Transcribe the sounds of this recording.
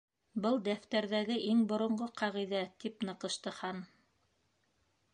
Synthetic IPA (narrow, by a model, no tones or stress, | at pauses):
bɤlˠd̪æft̪æɾðæɡɘʔiŋbŏɾŏɴɢoqʰɑʁiðæt̪ipnɤ̆qɤ̆ʃt̪ɤ̆hɑn